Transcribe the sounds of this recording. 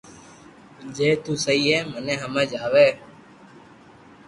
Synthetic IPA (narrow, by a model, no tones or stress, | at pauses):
d͡ʒeːt̪uːsəiːɦɛːmənẽːɦəmeːd͡ʒaːʋeː